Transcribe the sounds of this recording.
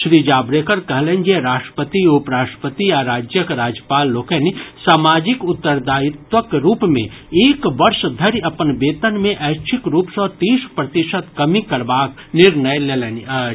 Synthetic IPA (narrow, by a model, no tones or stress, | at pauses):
ʃɾiːd͡ʒaːbɾekəɾkəɦlẽnd͡ʒeɾaːsʈɾə̥pət̪iopɾaːʈə̥pət̪iaɾaːd͡ʒjəkɾaːd͡ʒjəpaːlːoːkenisaːmaːd͡ʒɪkʊt̪ːəɾd̪aːjɪt̪wəkɾuːpmḛ̃eːkʋɐɾʃd̪ʱəɾiɐpənbeːt̪ənmẽʔɛːt͡ʃʰɪkɾuːpsɔːɾt̪iːʃpɾɐt̪ɪʃət̪kɐmikɐɾbaːknɪɾnəjleːlen